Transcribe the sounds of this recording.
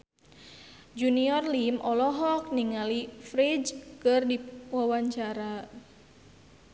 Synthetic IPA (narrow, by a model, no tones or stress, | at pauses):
d͡ʒuniɔrlimʔɔlɔɦɔk̚niŋalifɾid͡ʒkɨrdiwawaɲt͡ʃaɾa